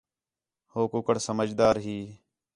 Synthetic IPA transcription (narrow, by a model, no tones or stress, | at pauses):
hoːkʊkəɽsəməd͡ʒd̪aːɾɦiː